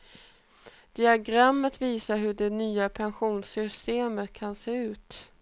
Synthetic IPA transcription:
d̪̥ɪaɡɾamːət̪viːsaɾɦɵɖɛnyːapʰɛnɧuːnsʏst̪eːmət̪kʰanseːʉ̟ːt̪

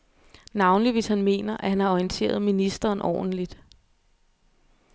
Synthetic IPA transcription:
nɑ̈ʊnliʋe̝shænme̝̰ːnɐʔæhænhɑ̈ɔint͡sʰe̝̰ːɐð̞ˠminisd̥ɐːnʔɒ̰ːd̥n̩lid̥

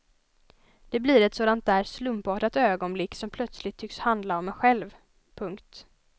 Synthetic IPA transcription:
d̪̥ɛblɪɾɛt̪soːd̪ant̪̚d̪æːɾslɵmpɑːʈat̪øːɡɔnblɪkːsɔmpʰlœt̪slɪt̪ʰːʏkshand̪laɔmɛɧɛlv | pʰɵŋkt̪

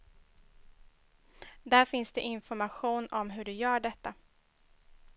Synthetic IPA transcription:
d̪æɾfɪnsd̪ɛʔɪnfɔɾmaɧuːnɔmɦɵɖɵjœːɖɛt̪ːa

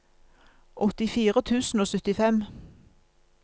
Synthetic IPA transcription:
ʔɔt̪ɪfiːʁət̪ʰʉːsn̩oːsʏt̪ɪfɛm

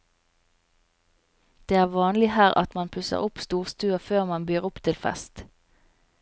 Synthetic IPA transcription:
d̪̥eːæːʁʋɑːnlɪhæːʁɑ̰t̪mɑnpʰʉsə̰ʁʊpst̪uːʁst̪ʉːəføːʁmɑnbyːʁʊpt̪ʰɪlfɛ̰st̪

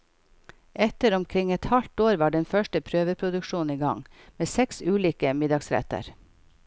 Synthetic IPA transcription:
ɛt̪əɾɔmkʰɾɪŋɛt̪hɑlt̪oːɾʋɑːɖɛnfœʃʈəpʰɾøːʋəpʰɾʊd̪ʉkʃuːniːɡɑ̰ŋmeːsɛksʉːliːkəmɪd̪ɑɡsɾɛ̰t̪ə̰ɾ

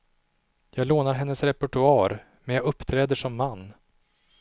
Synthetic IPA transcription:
jɑːɡloːnaɾɦɛnːəsɾɛpʊʈɵɑːɾ | mɛnjɑːɡɵpːt̪ʰɾɛːd̪əʂɔmːanː

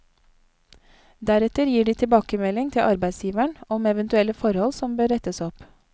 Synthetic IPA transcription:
d̪æɾɛt̪əɾjiːɖiːt̪ʰɪbɑːkəmɛlɪŋt̪ʰɪlʔɑɾbæɪd̪sjiːʋæɳɔmɛʋɛnt̪ʉɛləfɔɾhɔlsɔmbøːɾɛt̪əsɔp

